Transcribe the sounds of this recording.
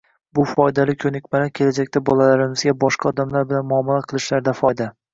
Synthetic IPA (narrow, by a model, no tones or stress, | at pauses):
bʊfɒjd̪alɪkʲʰɵnɪkʲmalakʲʰe̞lad͡ʒakʲt̪abɒlˠalaɾɪmɪzɡʲabɒʃqʰɑɒd̪amlaɾbɪlanmʊɒmalaqʰɨlˠɪʃlaɾd̪afɒjd̪a